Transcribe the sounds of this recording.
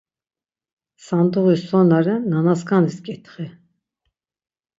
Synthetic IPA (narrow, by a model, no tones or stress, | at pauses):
sand̪uʁusɔnaɾɨnanaskand̪iskʼɛt̪ʰχɛ